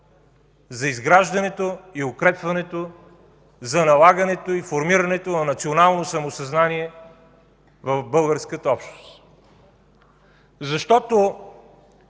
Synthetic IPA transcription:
zɐizɡɾaʒd̪ɐnɛt̪oiʊkɾɛpvɐnɛt̪o | zɐnɐlˠaɡɐnɛt̪oifoɾmiɾɐnɛt̪onɐnɐt̪sionalˠnosɐmosɐznaniɛ | vɐvbɤlˠɡəɾskət̪əɔpʃt̪ost̪ | zɐʃt̪ɔt̪o

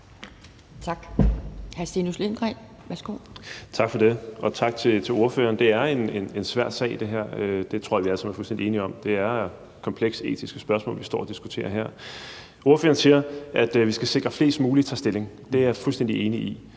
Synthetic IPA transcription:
t͡sʰɑ̈ɡ̥hæɐsenuslend̥ʁɛ | ʋæɐsɡ̥o̰ːt͡sʰɑ̈ɡ̥fɒ̽d̥e̝ʔɒ̽t͡sʰɑ̈ɡ̥̚t͡sʰe̝t͡sʰe̝lo̝ɐfø̰ːɐːnd̥e̝æɐe̝ne̝ne̝nsʋæɐ̰d̥sɛ̰ɪid̥e̝ɦæɐ̰ød̥e̝t͡sʰʁo̝ɐ̰ɐʋiæləsɑnmæɐfulsd̥en̰die̝ːniɒ̽md̥e̝æɐ | kʰɒ̽mpʰleɡ̥se̝̰ːt͡sʰisɡ̥əsb̥ɶɐsmɔ̰ːlʋisd̥ɒ̰ːɒd̥isɡ̥u̥t͡sʰe̝̰ːɐɦeɐ̰ | o̝ɐføːɐːn̩siːɐʔæd̥ʋisɡ̥æse̝ɡ̥ʁɐfle̝̰ːsd̥muːlit͡sʰɑsd̥e̝le̝ŋ | d̥e̝æɐfulsd̥en̰d̥ie̝ːnii

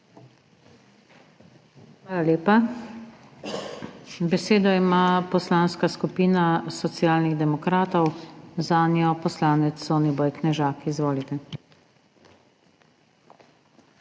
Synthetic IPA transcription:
xxʋaːlaleːpa | bɛseːd̪ɔimapɔslaːnskaskupiːnasɔt̪sjaːlniɣd̪ɛmɔkɾaːt̪ɔwzaːnjɔpɔslaːnɛsɔnibɔjknɛʒaːkizʋoːlit̪ɛ

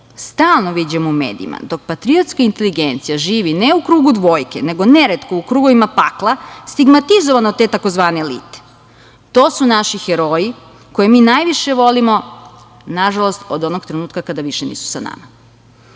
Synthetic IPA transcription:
st̪aːlˠnoʋid͡ʑemoumḛːd̪ḭḭma̰d̪o̞k̚pat̪ɾiot̪skaint̪e̞liɡent̪sijaʒiːʋineukɾuːɡud̪ʋo̞ːjkene̞ɡo̞neɾet̪koukɾuːɡoʋimapaklˠast̪iɡmat̪izoʋanot̪e̞t̪ako̞zʋaːne̞lḭːt̪e̥ | t̪o̞ːsunaʃixeɾo̞ji | ko̞jemiːnajʋiʃe̞ʋo̞limo̞ | naʒalˠost̪od̪o̞noɡt̪ɾenuːt̪̚kakad̪aʋiʃenḭːsu̥sana̰ma

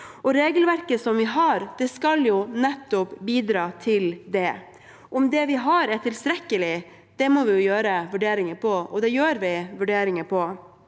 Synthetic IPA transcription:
ɔɾeːɡəlʋæɾkəsɔmʋɪɦɑɾd̪̥ɛskɑljʊnɛt̪ːʊpbiːd̪ɾɑːt̪ʰɪld̪ɛ | ʔɔmd̪ɛʋɪɦɑɾæʈ̪ʰɪlst̪ɾɛkːəlɪ | d̪̥ɛmɔʋɪjʊjøːɾəʋʉɖeːɾɪŋəpʰɔɔd̪ɛjøːɾʋɪʋʉɖeːɾɪŋəpʰɔ

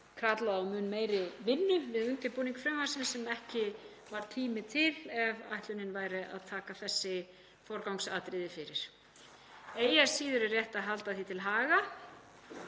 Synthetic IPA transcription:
kʰɾat̪laðawmʏːnmeːjɾɪvɪnːʏvɪðʏnt̪ɪpuniŋkfɾɛmaɾsɪnsːɛmɛhcɪ | vaɾ̥t̪ʰiːmɪt̪ʰɪlɛva̰jht̪lʏnɪnvaːjɾɪʔa̰ðt̪ʰaːkaθɛsːɪ | fɔɾkawŋksa̰ːt̪ɾɪðɪfɪɾɪɾ̥ | eːjaɾ̥siːðʏɾɪrjɛht̪aðɦalt̪aθit̪ʰɪlɦaːɣa

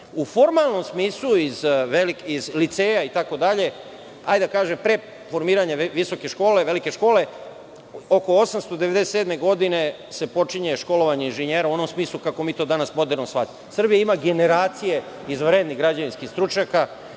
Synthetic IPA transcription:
ufo̞ɾmalˠno̞msmiːslˠuizʋelikizlit̪se̞ːjait̪ako̞d̪aʎe̞ | ajd̪akaːʒempɾe̞ | fo̞ɾmiːɾaɲeʋiso̞ke̞ʃko̞ːle̞ʋe̞like̞ʃko̞ːle̞ | o̞ko̞o̞samst̪o̞d̪e̞ʋe̞d̪eseːd̪me̞ɡo̞d̪ine̞ | se̞po̞t͡ʃiɲe̞ʃko̞lo̞ʋaɲeinʒeɲeːɾauo̞no̞msmiːslˠukako̞miːt̪o̞ːd̪anasmo̞d̪e̞ɾnosʋat̪i | sr̩bijaimaɡe̞ne̞ɾaːt̪sije̞ | izʋɾeːd̪niɣɡɾad͡ʑaʋinskixst̪ɾut͡ʃɲaka

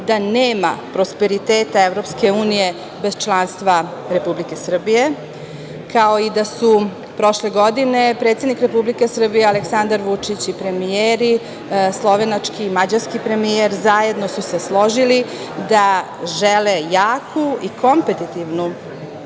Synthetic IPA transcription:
d̪aneːma̰pɾo̞spe̞ɾit̪eːt̪aeʋɾo̞pske̞uːnije̞ | be̞z̥t͡ʃlˠanst̪ʋaɾe̞publike̞sr̩bije̞ | kaoid̪asu | pɾo̞ʃle̞ɡo̞d̪ine̞pɾet̪sed̪nikɾe̞publike̞sr̩bijealeksand̪aɾʋut͡ʂit͡ɕipɾe̞mieɾi | slˠo̞ʋe̞nat͡ʂkiːmad͡ʑaɾskipɾe̞mijeɾzaje̞d̪no̞suse̞slˠo̞ʒili | d̪a | ʒelejaːkʰuikʰo̞mpet̪it̪iʋnu

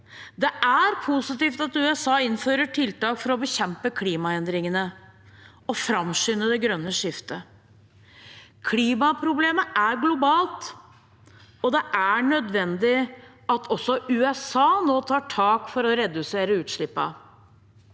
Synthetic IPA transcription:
d̪ɛʔæɾpʰʊsɪt̪iːft̪ɑt̪ʉːɛsɑːɪnføːɾəʈʰɪlt̪ɑːkfɔɾɔbəçɛmpəkʰliːmɑɛnd̪ɾɪŋənə | ɔfɾɑmʂʏnːəd̪ɛɡɾœnːəʂɪft̪ə | kʰliːmɑpʰɾʊbleːməʔæɾɡlʊbɑːlt̪ | ɔd̪ɛʔæɳœd̪ʋɛnd̪ɪ | ɑt̪ʰɔsːɔʉːɛsɑːnoːt̪ʰɑːʈʰɑːkfɔɾɔɾɛd̪ʉseːɾəʉːt̪ʂɭɪpːɑ̰

